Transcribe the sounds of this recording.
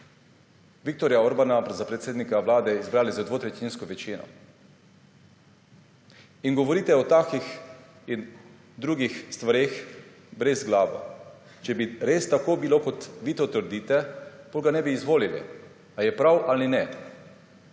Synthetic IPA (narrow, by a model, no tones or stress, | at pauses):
ʋik̚t̪oɾjaoɾbanapzapɾɛt̪seːd̪nikaʋlaːd̪ɛizbɾaːlizad̪ʋoːt̪ɾɛt̪inskɔʋɛt͡ʃiːnɔ̰ | iŋɡɔʋɔɾiːt̪ɛɔt̪akix | in | d̪ɾuːɡixst̪ʋaɾeːx | bɾɛzɡlaːʋo̰ | t͡ʃɛbiɾest̪akoːbilokɔt̪ʋiːt̪ɔt̪əɾd̪iːt̪ɛb̥oːlɡanɛbiːzʋoːlilḭ | ajɛpɾawʔalinɛ